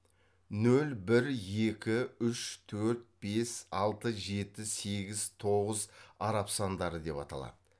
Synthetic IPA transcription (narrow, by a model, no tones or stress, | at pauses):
nɵlbɪɾje̞kʲɪʏʃt̪ʰɵɾt̪̚b̥e̞sɑlˠt̪əʒe̞t̪ɪse̞ɡʲɪzt̪ʰo̞ʁəzɑɾɑpsɑnd̪ɑɾəd̪e̞pɑ̰t̪ɑ̰lˠɑ̰d̪̥ə